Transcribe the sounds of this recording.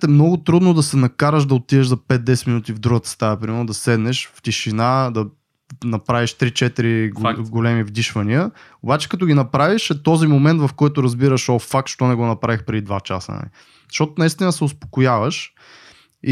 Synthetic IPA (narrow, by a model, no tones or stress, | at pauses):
ɛmnɔɡʊt̪ɾud̪nod̪ɐsɛnɐkaɾəʃd̪ɐot̪iɛʃzɐpɛt̪̚d̪ɛsɛminut̪ivd̪ɾuɡət̪ə̥st̪aɛpɾimɛɾnod̪ɐsɛd̪nɛʃft̪iʃinad̪ɐ | nɐpɾaviʃt̪ɾit͡ʃɛt̪iɾiɡɡolɛmivd̪iʃvɐniəobat͡ʃɛ̥kɐt̪ɔɡinɐpɾaviʃɛt̪ɔzimomɛnt̪vɐfkɔjt̪ʊɾɐzbiɾəʃɔfak̚tʃt̪ɔnɛɡonɐpɾavixpɾɛd̪id̪vat͡ʃa̰sə̰nɐ̰lḭ | zɐʃt̪ɔt̪ʊnɐist̪inəsɛospo̥kojavəʃ | i